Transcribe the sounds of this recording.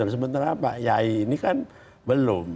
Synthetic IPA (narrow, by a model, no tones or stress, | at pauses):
ərs̬əbənt̪aɾaːpajaiːnikan | bəlʊm